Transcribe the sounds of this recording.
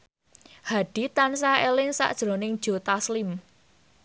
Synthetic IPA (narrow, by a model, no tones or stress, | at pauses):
haɖ̥i̤t̪ansaelɪŋsa̰ʔd̥ʒ̥ɾo̤nɪŋd̥ʒ̥o̤t̪aslɪm